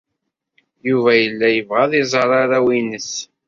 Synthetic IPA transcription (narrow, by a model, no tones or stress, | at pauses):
juvæjəlːæjəvʁæðˤizˤəɾˤɑɾæwinəs